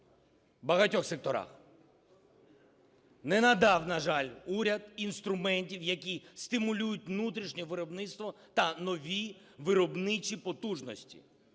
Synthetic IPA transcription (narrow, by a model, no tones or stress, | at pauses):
bɐɦɐtʲɔxsek̚t̪ɔɾɑ̰x | nɛnɐd̪ɑwnɐʒɑlʲuɾʲɐd̪inst̪ɾʊmɛnʲtʲiwjɐkʲist̪ɪmʊlʲujʊt̚ʲʋnut̪ɾʲiʃnʲɛʋɪɾɔbnɪt̪st̪ʋɔ | t̪ɐnɔʋʲi | ʋɪɾɔbnɪt͡ʃʲipɔt̪uʒnɔsʲtʲḭ